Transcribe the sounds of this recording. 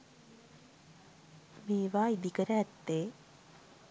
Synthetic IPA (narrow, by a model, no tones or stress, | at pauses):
meːʋaːid̪ikəɾəːt̪ːeː